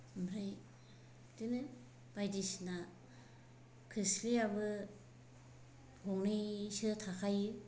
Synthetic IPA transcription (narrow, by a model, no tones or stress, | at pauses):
mɾɯj | dɯnɯ | b̥ajdisna | kʰispiabɯ | hoŋnɯjsɯtʰakʰajɯ